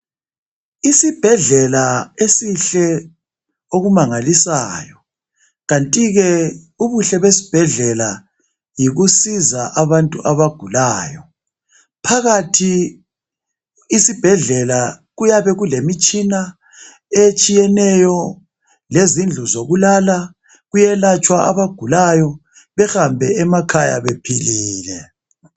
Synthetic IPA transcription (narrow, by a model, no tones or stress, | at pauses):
isib̥ʱɛɮɛlaesiɬɛ | oɣumaŋalisa̰ːjɔ | ɣantʼiɣɛ | uβuɬɛβesi̥b̥ʱɛɮɛla | jiɣusizaʔaβantʼuʔaβaɡ̥ʱulaːjɔ | pʰaɣatʰi | sib̥ʱɛɮɛla | ɣujaβɛɣulemit͡ʃʼina | et͡ʃʼijɛnɛjɔ | lezind͡ɮʱuzoɣulala | ɣujɛlat͡ʃʼwaʔa̰βaɡ̥ʱulajɔ | βɛxambʱɛɛmakʰaja̰βepʰiliːlɛ